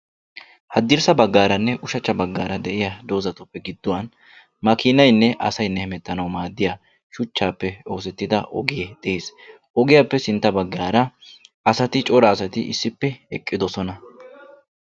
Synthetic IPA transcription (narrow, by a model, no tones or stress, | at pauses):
hɐd̪ɪɾsɐbɐɡːaːɾɐnːɛʔʊʃɐt͡ʃːɐbɐɡːaːɾɐd̪ɛʔɪjad̪o̞ːzɐt̪ʊpːɛɡɪd̪ːʊwɐn | mɐkɪnɐjnːɛʔɐ̰sɐjnːɛhɪmɛt̪ːɐnɐwmaːd̪ːɪjaː | ʃʊt͡ʃːaːpːɛo̞ːsɛt̪ːɪd̪ɐʔɔ̰ɡɪjed̪̥ɛʔeːs | ʔɔɡɪjapːɛsɪnt̪ːɐbɐɡːaːɾɐɐsɐt̪ɪt͡ʃʼɔɾɐːsɐt̪ɪʔɪ̰sːɪpːɛɛkʼːɪd̪ɔsɔnɐ